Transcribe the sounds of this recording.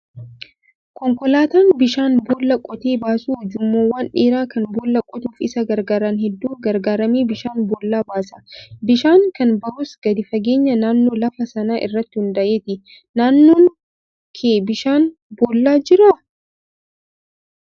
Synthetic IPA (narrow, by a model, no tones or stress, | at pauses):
kɔŋkɔlaːt̪aːnbɪʃaːnboːlːɐkʼɔt̪eːbaːsuːd͡ʒʊmːoːwaːnᶑeːɾaːkɐnboːlːɐkʼɔt̪uːfɪsɐɡɐɾɡaːɾaːnhɛd̪ːuːɡɐɾɡaːɾɐmiːbɪʃaːnboːlːaːbaːsɐ̥bɪʃaːŋkɐnbɐhʊsɡ̥ɐd̪ɪfɐɡe̞ːɲːɐnaːnːoːlɐfɐsɐnaːʔɪ̰rːɐt̪ːɪhʊnd̪ɐʔeːt̪ɪ | naːnːoːŋ | kʰeːbɪʃaːn | boːlːaːd͡ʒɪɾɐ